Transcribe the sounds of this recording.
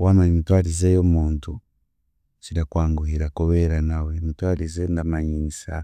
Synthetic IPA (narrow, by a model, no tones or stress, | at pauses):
wanaimitwaɾizejomuːntu | t͡ʃiɾakwaːŋɡuhiɾakoβeɾanawemitwalizendamaɲinisa